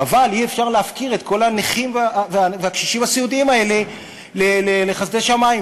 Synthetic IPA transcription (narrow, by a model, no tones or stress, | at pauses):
avaliefʃaʁleafkiʁe̞t̪ko̞lhaneχimvveaveakʃiʃimasiud̪iimae̞le̞ | lelele̞χazd̪e̞ʃamaim